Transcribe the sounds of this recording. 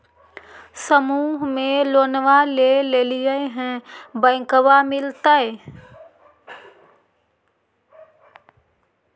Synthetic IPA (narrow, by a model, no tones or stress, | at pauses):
səmuːɦmẽloːnʋaleleːlijəeɦɛ̃bə̃ɪkəbamɪlt̪əe